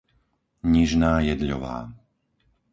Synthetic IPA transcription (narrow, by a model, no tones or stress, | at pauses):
ɲiʒnaːjɛd̪ʎɔ̰ʋa̰ː